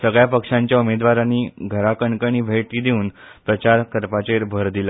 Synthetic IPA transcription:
səɡɭjapəkʂaɲt͡ɕjaumed̪ʋaɾaniːɡʱəɾakəɳkəɳ̃iːbʱeʈiːd̪euːn | pɾət͡ɕaɾkəɾpat͡ɕeɾbʱəɾd̪ila

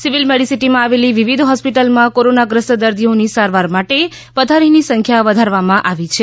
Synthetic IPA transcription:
siʋilmɛɽisiʈimãaʋeliʋiʋid̪ʱɦɔspiʈəlmãkoɾonaɡɾəsəd̪əɾd̪ʱionisaɾʋaɾmaʈe | ʋəd̪ʱaɾinisə̃ŋkʰjaʋəd̪ʱaɾʋamãʔaʋit͡ʃʰe

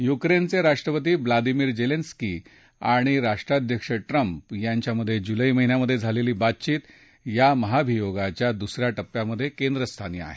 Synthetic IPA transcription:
jukɾent͡seɾaʂʈɾəpət̪iːʋlad̪imiːɾd͡ʑelenski | aɽ̃iɾaʂʈɾad̪ʱjəkʂəʈɾəmpjaɲt͡ɕjaməd̪ʱːjed͡ʑuləiməɦinjaməd̪ʱːjed͡zʱaleliːbat̪̚t͡ɕiːt̪ | jaməɦabʱijoɡat͡ɕjad̪usɾjaʈəpːjaməd̪ʱːjekend̪ɾəst̪ʰanḭa̰ɦe

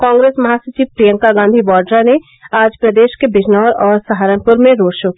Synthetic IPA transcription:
kɔ̃ːŋɡɾeːsmɐɦasɐt͡ʃiːʋpɾijə̃ŋkaɡãːnd̪ʱibɔːɾɖɾane | aːd͡ʒpɾɐd̪eːʃkebɪd͡ʒnɔːɾɔːɾsaɦaːɾə̃mpʊɾmẽɾoːɖʃok

